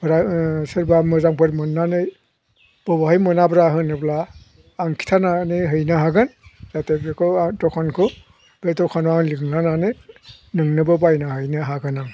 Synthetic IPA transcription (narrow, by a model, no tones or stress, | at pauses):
bɾasɯɾbamɯzaŋpɯɾmɯnːanɯj | b̥ɔbahɯjmɯnabɾaɦɯnɯblaː | ŋkʰi̥tʰananeɦɯjnaɦaɡɯnz̥atebekʰɯtɔkʰankʰɯ | b̥etɔkʰanwalɯŋnananɯ | nɯŋnɯbɯbajnaɦɯjnɯɦaɡɯnaŋ